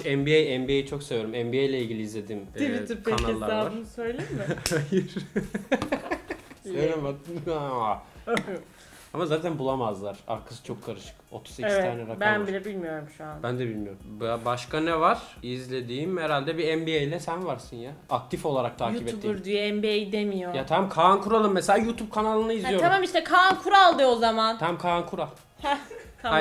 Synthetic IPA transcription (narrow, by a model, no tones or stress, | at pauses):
ɛmbiejɛmbiejit͡ʃʰo̞ksevjoɾumɛmbiejlʲɛilʲɟʲilʲiːzlʲe̞d̪iːmvit̪ʰiɾpkeanalelˠːaɾaːabɯnsøjlʲemɪhajiɾ̥ | selʲemaaa | amazaːt̪ʰænbulˠamazlˠaɾ̥a̰ɾkʰḁsɯ̥t͡ʃʰo̞kʰːaɾɯʃɯ̥ko̞̰t̪ʰu̥zecʰist̪ʰaːnɛɾabænbilʲɛbilʲmijo̞ɾumʃuanbænd̪ɛbilʲmijo̞ɾumbbaʃkʰanɛvaɾ̥izlʲe̞d̪iːimhɛɾalʲd̪ɛbiɛmbiejlʲɛsænvaɾsɯnjaːk̚t̪ʰifo̞lˠaɾak̚t̪ʰaːjuipɛuːiuɾd̪yjɛɛmbiejd̪emijojat̪ʰamkʰankʰuɾalˠɯmːeselʲaːjuːt̪ʰup̚kʰanalˠɯnaizijoɾamamiʃt̪ɛkʰaankʰuɾalˠd̪ɯozamant̪ʰæmkʰankʰuɾalˠ | a